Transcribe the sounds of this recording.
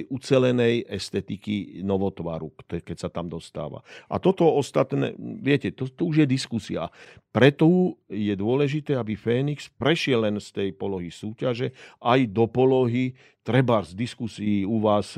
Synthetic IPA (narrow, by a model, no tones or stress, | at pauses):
jʔut͡sɛlɛnɛjɛst̪ɛt̪ikinɔʋɔt̪ʋa̰ɾukt̪ɛkɛcsat̪amd̪ɔst̪a̰ːʋa̰ʔa̰t̪ɔt̪ɔɔst̪at̪nɛ̰ːʋɪɛcɛt̪ɔt̪ɔuʒjɛd̪iskusia̰pɾɛt̪ɔjɛd̪ʊɔlɛʒit̪ɛːabifɛːnikspɾɛʃɪɛlːɛnst̪ɛjpɔlɔɦisuːcaʒɛʔajd̪ɔpɔlɔɦi | t̪ɾɛbazd̪iskusiːuʋaːs